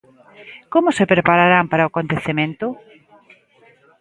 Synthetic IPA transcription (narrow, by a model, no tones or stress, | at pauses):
komʊsepɾepaɾaɾampaɾaoakont̪eθemẽnt̪ʊ